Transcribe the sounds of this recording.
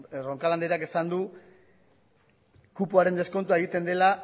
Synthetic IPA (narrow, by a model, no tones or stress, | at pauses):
ro̞ŋkaland̪eɾakesand̪u | kupuaɾe̞nd̪e̞sko̞nt̪uae̞ɣ̞it̪e̞nd̪e̞la